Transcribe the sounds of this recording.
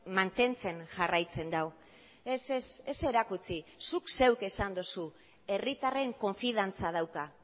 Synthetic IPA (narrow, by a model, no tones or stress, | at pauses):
mant̪e̞nt͡se̞nʝarajt͡se̞nd̪aw | esesese̞ɾakut͡sisukse̞wke̞sand̪osu | e̞rit̪are̞ŋko̞ɱfið̞ant͡sað̞awka